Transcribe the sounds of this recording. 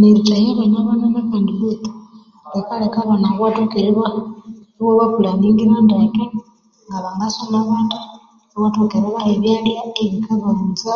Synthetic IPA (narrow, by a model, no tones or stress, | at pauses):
neɾutahiɾenaβananakeːnduβutu̥ | lekalekaβanaɣwatokeɾeβa | βoβakulaniŋɡiɾandaken | ŋɡaβaŋɡasonaβaːnda | ɣatokeɾeβaeβjalijakeβikaβanza